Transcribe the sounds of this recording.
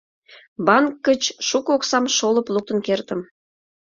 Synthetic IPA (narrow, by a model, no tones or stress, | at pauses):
bɑnkːə̆t͡ɕʃukoksɑmʃolə̆plˠuk̚t̪ə̆nkert̪ə̆m